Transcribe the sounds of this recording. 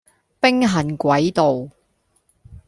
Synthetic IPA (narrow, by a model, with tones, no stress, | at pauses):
pɪ˥ŋɦɐ˨˩nkʷɐ˨˥jt̪o˨w